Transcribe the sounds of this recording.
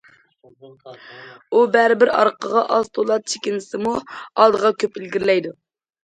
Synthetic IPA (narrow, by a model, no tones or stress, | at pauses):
ubæɾɪbɪɾɑ̰ɾqəʁɑʔɑzt̪ʰolˠɑt̪̚t͡ʃʰe̥kʲinɪsɨmuɑlˠd̪əʁɑkʲʰøpilɡʲiɾlɛjd̪u